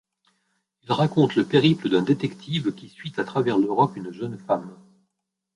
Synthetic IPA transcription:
ilʁakɔ̃t̪ləpeʁipləd̪ɛ̃d̪et̪ɛkt̪ʰivkʲisɥit̪at̪χavɛʁløʁɔpynʒœnfam

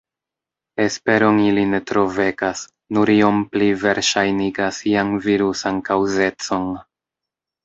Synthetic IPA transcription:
e̞spe̞ɾo̞niline̞tɾo̞ve̞kas | nuɾio̞mplive̞ɾʃajniɡasianviɾusankawze̞t͡so̞n

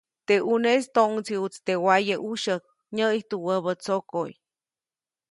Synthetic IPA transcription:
t̪eʔunest̪oŋt͡siut͡st̪ewajəʔuʃək̚ | ɲəjht̪uwəβət͡sokoj

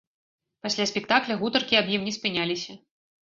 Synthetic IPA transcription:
pasʲlʲasʲpʲɛk̚t̪aklʲɐɣut̪ɐrkʲiabjimnʲɛsʲpʲɨnʲalʲisʲɐ

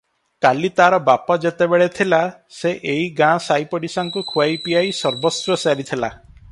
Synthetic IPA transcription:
kalit̪aɾɔbapɔd͡ʒet̪ebeɭet̪ʰilaseʔeɦiɡãsajpɔɽisaŋkukʰuajpiajsɔɾbɔsɾɔsaɾit̪ʰila

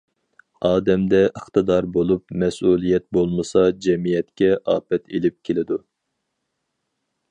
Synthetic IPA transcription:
ɑːd̪ɛmd̪ɛʔəχt̪ɨd̪ɑɾbolˠupmɛsulˠijɛt̪̚bolˠmɨsɑd͡ʒɛmijɛt̪kʲɛʔɑːpɛt̪ʰelɪp̚kʲʰelɪd̪u

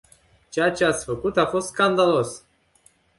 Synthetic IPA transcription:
t͡ʃejat͡ʃeat̪sʲfəkut̪afo̞st̪skand̪alos

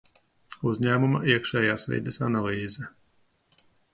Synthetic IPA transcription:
uzʲɲæːmuma̰ʔiɛkʃɛːjaːsvʲɛ̰ːd̪ɛsa̰nalˠiːzɛ

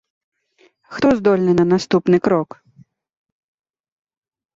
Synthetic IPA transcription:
xt̪ɔzd̪ɔlʲnɨnɐnast̪upnɨkɾɔk

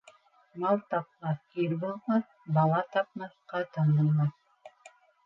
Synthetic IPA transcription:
mɑlˠt̪ɑp̚lɑkiɾbulˠmɑθ | bɑlˠɑt̪ɑp̚mɑθqɑt̪ɑnɤlˠmɑθ

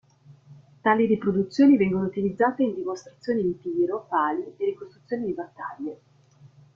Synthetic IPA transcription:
t̪aːliɾipɾod̪ut̪sːjoːnivɛŋɡonout̪ilid̪zːaːt̪eind̪imost̪ɾat̪sːjoːniimp̪iːɾopaːled̪iɾikost̪ɾut̪sːjoːnid̪ibat̪ːaʎːe

